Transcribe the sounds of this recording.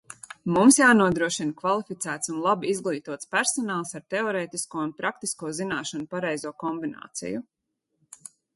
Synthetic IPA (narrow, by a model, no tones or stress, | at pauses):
mumsjaːnuɔd̪ɾuɔʃinkvalˠifit̪sæːt̪sunlˠabiizɡlˠiːt̪uɔt̪spæɾsɔnaːlˠsaɾt̪ɛɔɾɛːt̪iskuɔunpɾakt̪iskuɔzinaːʃanupaɾɛjzuɔkɔmbina̰ːt̪sḭju